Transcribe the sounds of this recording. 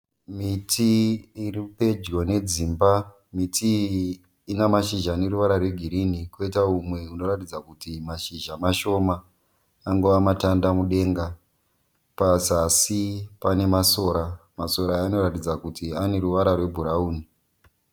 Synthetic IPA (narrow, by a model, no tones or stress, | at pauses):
mitʰiiripe̞d͡ʒɡone̞d͡ziːmba | mitʰiː | namaʃiʒaːne̞ɾuʋaɾarwe̞ɡʱiɾinikoitaumwe̞uno̞ratid͡zakutimaʃiʒamaʃo̞maː | ŋɡoʋamatandamuɗe̞ːŋɡa | pasasipane̞maso̞ːɾamaso̞ɾaːno̞ɾatid͡zakutiane̞ɾuʋaɾarwe̞bʱuɾauːni